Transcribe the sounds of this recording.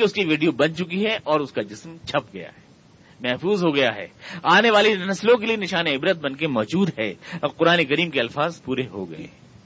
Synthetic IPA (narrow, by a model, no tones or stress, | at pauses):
eʊskiʋiːɖijobɐnt͡ʃʊkiɦɛʔɔːɾʊskad͡ʒɪsmt͡ʃʰɐp̚ɡɐja̰ɦɛː | mɛɦfuːzɦoɡɐjaɦɛ̰ːaːneʋaːleɐnɐslõk̬elienɪʃaːneɪbɾət̪̚bɐnkemɔːd͡ʒuːd̪ɦɛːqʊɾaːnekɐɾiːmkeɐlfaːzpuːɾeɦo̰ɡɐ̰ḛː